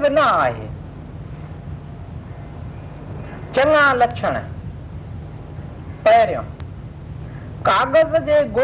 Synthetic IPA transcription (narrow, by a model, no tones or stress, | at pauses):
bɪnɐaːɦḛː | t͡ɕɐŋãlɐt͡ʃʰəɽ̃ | pɐɦɪɾɪjõ̰ː | kaːɣəzd͡ʑeːɡo